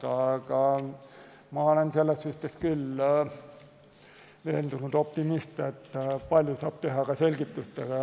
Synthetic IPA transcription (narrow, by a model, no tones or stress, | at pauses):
t̪ɑkɑ | mɑolenselːessyht̪eskylː | ʋeːnd̪unud̪op̚t̪imist̪et̪ːpɑlʲjosɑːb̥̚t̪ehɑkɑselɡ̥it̪ːyst̪ɑɑ